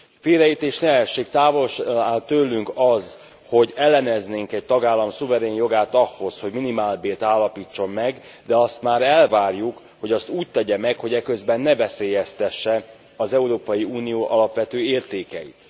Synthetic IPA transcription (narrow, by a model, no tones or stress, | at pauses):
feːɾɛit̪eːʃnɛɛʃːeːkt̪aːvo̞lʃaːlt̪øːlːyŋkɒz | ho̞ɟɛlːɛnɛzneːŋkɛc̚t̪ɒɡaːlːɒmsuvɛɾeːnjo̞ɡaːt̪ɒhːo̞sho̞ɟminimaːlbeːlt̪aːlːɒpiːt͡ʃːo̞mːɛɡd̪ɛɒst̪maːɾɛlvaːrjuk | ho̞ɟɒst̪uːc̚t̪ɛɟɛmɛkho̞ɟɛkø̞zbɛnːɛvɛseːjɛst̪ɛʃːɛ | ɒzɛuɾoːpɒjiuːnijoːʔɒlɒpʋɛt̪øːeːrt̪eːkɛ̰jḭt̪